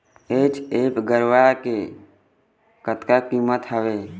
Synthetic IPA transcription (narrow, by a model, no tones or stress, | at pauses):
eːt͡ʃeːkɡəɾʋake | kət̪kakimət̪ɦəʋeː